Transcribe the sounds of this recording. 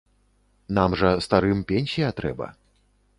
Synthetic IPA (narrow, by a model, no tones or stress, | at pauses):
namʐɐst̪aɾɨmpʲenʲsʲijɐt̪ɾɛ̰bɐ̰